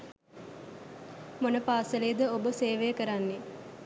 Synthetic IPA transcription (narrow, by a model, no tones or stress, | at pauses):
monəpaːsəleːd̪əobəseːʋejəkəɾanːe